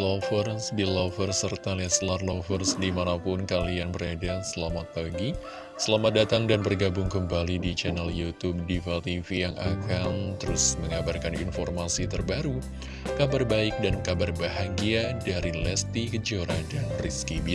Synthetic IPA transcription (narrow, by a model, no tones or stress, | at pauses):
lɔfərsbilɔfərsərt̪aliaslarlɔfərsdimanapʊnkalianbəɾadasəlamat̪̚paɡi | səlamat̪̚dat̪aŋdanbərɡabʊŋkəmbalidit͡ʃɛnaljut̪ub̚difalt̪ifijaŋʔa̰kant̪əɾʊsməŋabarkanḭnfɔrmasit̪ərbaɾu | kabarbaɪk̚dankabarbaɦaɡiadaɾilɛst̪ikəd͡ʒoɾadanriskibi